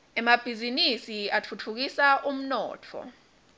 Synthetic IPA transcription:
ɛmab̥ʱizinisiat͡fʰut͡fʰuk̬isaʔum̩nɔ̰ːt͡fʰɔ̰

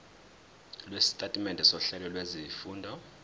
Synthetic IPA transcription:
lwesi̥tʼatʼimɛntʼɛsɔɬɛlɔlwezifuːndʱɔ

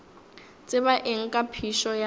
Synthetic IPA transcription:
t͡sʼɪβaʔeŋ̩kʼapʰiʃɔja

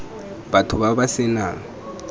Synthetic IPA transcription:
batʰʊβabasɪna

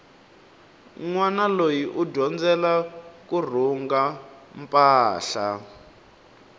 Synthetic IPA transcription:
ŋwanalojiʔudɔnd͡zɛlakur̤uŋɡam̩pʼaːɬa

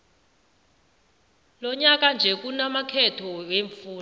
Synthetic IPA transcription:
lɔɲak̬and͡ʒʱɛk̬unamakʰɛtʰɔweɱfuː

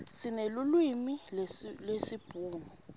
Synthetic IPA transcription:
sinelulwimillwesib̥ʱuːnu

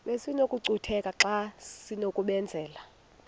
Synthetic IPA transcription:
ɓesinokʼuǀutʰɛkʼaǁasinokʼuɓɛnd͡zʱɛːla

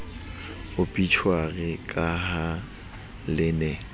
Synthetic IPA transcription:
ʊpʼit͡ʃʰwaɣɛkʼaha | lɪnɛ

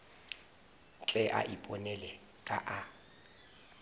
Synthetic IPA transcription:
t͡ɬʼɛʔa̰ʔipʼɔnɛlɛ | kʼaʔa

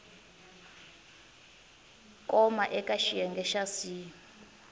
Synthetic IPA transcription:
kʼɔmaʔɛkʼaʃijɛŋɡʱɛʃasi

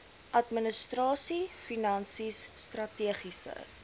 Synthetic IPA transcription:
ʔɐtminəstrɑːsifinɐnsisːtrɐtiəχisə̰

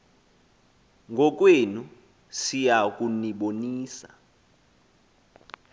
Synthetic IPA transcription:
ŋɡʱɔk̬wenu | sijakʼuniɓoniːsa̰

